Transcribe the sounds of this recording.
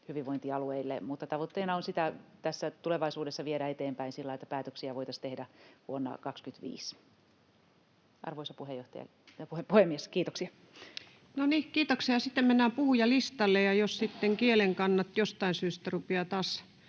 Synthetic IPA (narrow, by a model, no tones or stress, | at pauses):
hyʋiʋoint̪iɑlueilːemut̪ːɑt̪ɑʋot̪ːeinɑonsit̪æt̪æsːæt̪uleʋɑisuːdesːɑʋieɾæet̪eːmpæinsilːɑiet̪ːæpæːt̪øksiæʋoit̪ɑst̪ehdæʋuonːɑ̰kɑkskyt̪ʋḭːs | ʔɑ̰rʋoisɑpuhejoht̪ɑjɑ̰ | jɑpuhepuhemːieskiːt̪oksiɑ | nonikiːt̪oksiɑsit̪ːemmenːæːpuhujɑlist̪ɑlːejjɑjossit̪ːeŋkieleŋkɑnːɑt̪jost̪ɑinsyːst̪ærupeɑt̪ɑːs